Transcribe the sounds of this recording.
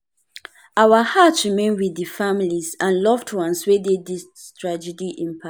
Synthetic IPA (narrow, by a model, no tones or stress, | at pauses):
ʔawahatsɹimẽnwiðəfamilizãnlɔvdwɔ̃nswededis | tʰɹad͡ʒɛdiʔĩmpʰa